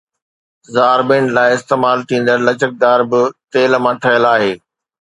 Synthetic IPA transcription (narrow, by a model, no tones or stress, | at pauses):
zaːɾbɪ̃ɳlaːɪɪst̪eːmaːlt̪ʰĩːn̆d̪əɾlɐt͡ɕək̚d̪aːɾbɪt̪eːlmãʈʰɐjəlaːɦeː